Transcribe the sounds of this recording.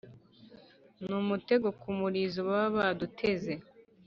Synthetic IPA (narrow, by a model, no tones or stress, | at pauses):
numute̞ɡokumuɾizowaβadutʰe̞ze